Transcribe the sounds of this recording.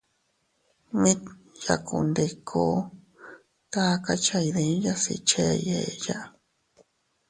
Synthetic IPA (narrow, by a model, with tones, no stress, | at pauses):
mĩ˦ja̰˧˨kʰṵ˧˨nd̪e˧kʰo˧˦ | t̪a˦˧ka˦t͡ʃa˧i˧ðẽ˧˦ja˦sḭ˧t͡ʃe˦˧je˧ja˦ʔ